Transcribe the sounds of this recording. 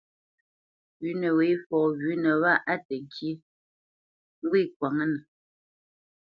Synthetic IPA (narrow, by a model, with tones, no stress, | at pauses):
ɥʉ˨˦nə˨we˨˦fɔː˨ɣi˦nə˨wa˦ʔa˦tə˨ŋ˨kʰji˦ | ŋ̩˦ɡwi˦˨k̚wa˨ŋə˦nə˨